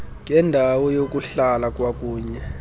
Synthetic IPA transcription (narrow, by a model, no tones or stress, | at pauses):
ŋɛndʱawɔjok̬ʼuɬalak̬ʼwak̬ʼuːɲɛ